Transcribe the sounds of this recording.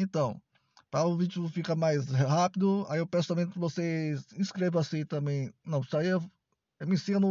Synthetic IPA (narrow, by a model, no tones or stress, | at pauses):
ẽnt̪ɐ̃w̃ | pɾaʊvid͡ʒʊfikɐmajzhapid̪ʊa̰ewpɛ̃sʊ̥t̪ɐ̃mẽj̃kɪvoseĩskɾevasĩt̪ɐ̃mẽj̃nɐ̃w̃saiɐ | ewmĩsĩnʊ